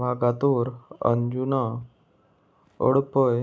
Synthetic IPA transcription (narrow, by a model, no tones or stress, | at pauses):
maɡat̪uːɾə̰ɲd͡ʑuna | ɔ̰ɽpəj